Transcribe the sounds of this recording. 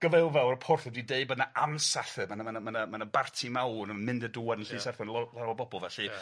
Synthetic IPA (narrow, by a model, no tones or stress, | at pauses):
ɡ̥əvɛlˠvɛlˠrəpʰʊrθɛdwideɨbədnaʔansaɬɨmanmanəmanəmanəbartʰimawrmnmɪndədʊɛdənɬiːsɛrθɔnllˠaɾwabɔbɔlˠvɛɬi